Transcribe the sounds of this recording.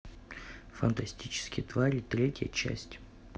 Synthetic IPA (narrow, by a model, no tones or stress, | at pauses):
fənt̪ɐsʲtʲit͡ɕɪ̥skʲɪjt̪vaɾʲit̪ɾʲetʲjə̰t͡ɕæ̰sʲtʲ